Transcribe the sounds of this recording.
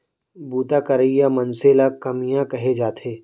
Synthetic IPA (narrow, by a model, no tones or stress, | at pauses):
buːt̪akɐɾəijamɐnselakɐmijãkɐɦed͡ʒaːt̪ʰeː